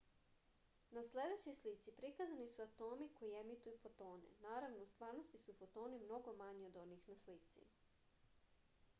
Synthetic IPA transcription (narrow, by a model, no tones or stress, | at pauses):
nasle̞d̪et͡ɕojslit̪sipɾikazanisuat̪o̞ːmiko̞jie̞mit̪ujufo̞t̪o̞ːnḛnaːɾaʋnoust̪ʋaːɾno̞st̪isufo̞t̪o̞ːnimno̞ɡo̞maɲio̞d̪o̞niːxnaslit̪sḭ